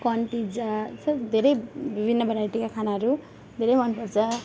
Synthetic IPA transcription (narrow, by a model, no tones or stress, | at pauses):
kʌnʈid͡zat͡sʰʌd̪ʱeɾʌjbibʱinːʌbʱʌɾajʈikakʰanaɦʌɾu | d̪ʱeɾʌjmʌnpʌrt͡sʰʌ